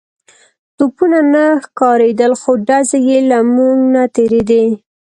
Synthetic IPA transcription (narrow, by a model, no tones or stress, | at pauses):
t̪upunanaxkɑɾed̪əlxoɖazejelamuŋɡnat̪eɾed̪e